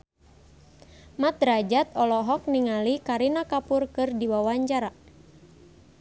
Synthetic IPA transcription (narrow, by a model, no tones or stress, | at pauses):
mat̪rad͡ʒat̪̚ɔlɔɦɔk̚niŋalikaɾinakapʊrkɨrdiwawaɲt͡ʃaɾa